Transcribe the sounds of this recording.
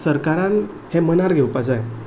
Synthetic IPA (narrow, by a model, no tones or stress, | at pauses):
səɾkaɾãn | hẽmənaɾɡʱɛwpasaj